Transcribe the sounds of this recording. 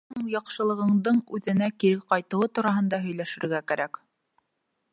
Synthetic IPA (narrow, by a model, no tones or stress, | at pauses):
ɤŋjɑqʃɤ̆lˠɤ̆ʁɤ̆ɴd̪ɤɴʉðɘ̆nækiɾɘqɑjt̪ɤ̆wɤt̪uɾɑɦɤ̆nd̪ɑɦɵ̆jlæʃɘ̆ɾɘ̆ɾɡækæɾæk